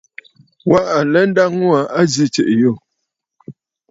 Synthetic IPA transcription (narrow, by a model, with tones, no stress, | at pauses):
wa˦ʔa˨lɛ˦n̩˦da˦ŋŋwa˨a˦zi˦t͡ʃḛ˨ʔjo˦˨